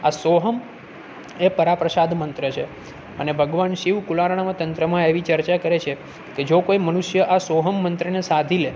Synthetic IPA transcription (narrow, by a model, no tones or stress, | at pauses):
asoɦəm | epəɾapɾəsad̪mənt̪ɾət͡ʃʰe | ənebʱəɡʋanʃiʋkulaɾɳ̃amat̪ənt̪ɾəmãeʋit͡ʃəɾt͡ʃakəɾet͡ʃʰe | ked͡ʒokoiməɽ̃uʃjəʔasoɦəmːənt̪ɾənesad̪ʱile